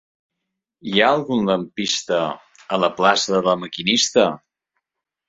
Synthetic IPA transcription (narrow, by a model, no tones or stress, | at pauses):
iaəlˠɣunləmpist̪ə | ələplasəðələməkinist̪ə